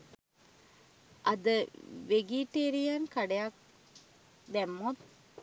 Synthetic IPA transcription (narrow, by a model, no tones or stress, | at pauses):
ʔɐd̪əʋeɡiʈeːɾijankaɖejak̚ | d̪æmːot̪̚